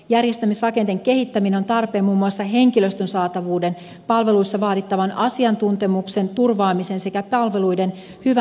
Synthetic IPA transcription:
jærjest̪æmisrɑke̞nt̪eŋke̞hit̪ːæmineo̞nt̪ɑrpe̞ːmmuːmːuɑsːɑɦe̞ŋkilø̞st̪ønsɑːt̪ɑʋuːde̞n | pɑlʋe̞luisːɑʋɑːdit̪ːɑʋɑnʔɑsiɑnt̪unt̪e̞mukse̞nt̪urʋɑːmise̞nse̞kæpɑlʋe̞lujde̞n | hyʋæ

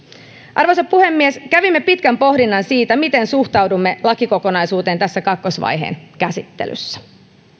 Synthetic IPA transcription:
ʔɑrʋojseppːuhe̞mːieskæʋimːe̞pit̪kæmpo̞hdinːɑnsiːt̪æmit̪e̞nsuht̪ɑwdumːe̞lɑkiko̞ko̞nɑjsuːt̪e̞ːnt̪æsːækɑkːo̞sʋɑ̰jɦḛːnkæsit̪ːḛly̰sːæ̥

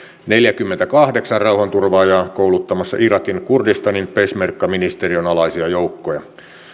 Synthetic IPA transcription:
neljækymːent̪ækɑhde̞ksɑrrɑuhɑnt̪urʋɑːjɑkoulut̪ːɑmɑsːɑ̰ʔirɑkinkurdist̪ɑninpesmerkːɑminist̪erionɑlɑisiɑjoukːojɑ

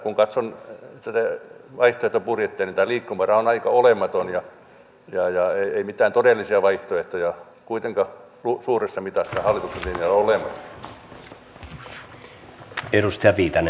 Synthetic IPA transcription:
kuŋkɑt̪sont̪æt̪æʋɑiht̪oeht̪opurjet̪ːeːnint̪æːliːkːumærɑonɑikɑolemˑɑt̪onjɑ | jɑjɑeieimit̪æːnt̪odelːˑisiɑʋɑiht̪oeht̪ojɑ | kuit̪eŋkɑ | lusuːresːɑmit̪ɑsːɑhɑlːˑit̪ukseliemiæloolemɑsːɑ̥ | eɾust̪iɑʋiːt̪ɑne

